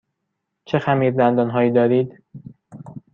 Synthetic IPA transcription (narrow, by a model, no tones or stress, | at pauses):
t͡ʃʰe̞xæmiːɾd̪ænd̪ɒnɦɒːjiːd̪ɒːɾiːd̪